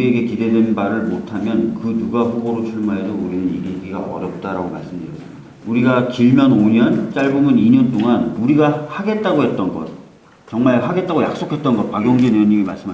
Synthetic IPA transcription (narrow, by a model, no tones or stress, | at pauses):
uieɡe̞kide̞dwenbaɾɯɭmotʰamjʌnkɯnuɡaɸuboɾot͡ɕʰuɭmaedouɾinɯnjeɡɡiɡaʔʌ̰ɾjʌp̚t͈aɾaɡoma̰ɭs͈ɯmɲd | uɾiɡakiɭmjʌnoɲʌnt͡ɕ͈aɭbomɯniɲʌnt͈oŋanuɾiɡahaɡe̞t̚t͈aɡoɦe̞t̚t͈ʌnɡʌ̰t̚ | t͡ɕʌŋmaɭɦaɡe̞t̚t͈aɡoja̰k̚s͈okʰe̞t̚t͈ʌnɡʌt̚paɡjʌŋd͡ʑeneoɲiɡimas͈ɯma